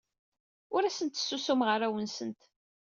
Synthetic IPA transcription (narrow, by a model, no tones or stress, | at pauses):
ʊɾæsənt̪sːusumʁəɾæwənsənt̪